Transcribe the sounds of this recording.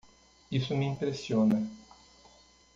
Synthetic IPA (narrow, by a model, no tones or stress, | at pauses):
isʊmiimpɾesjonɐ